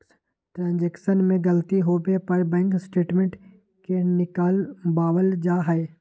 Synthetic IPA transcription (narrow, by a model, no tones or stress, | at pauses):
ʈɾãːnd͡ʒɛːkʃənmẽɡəlt̪iɦoːbepɐɾbɛ̃ːŋksʈeːʈmẽɳʈ | kenɪkaːlbaːʋəld͡ʒaːɦɛe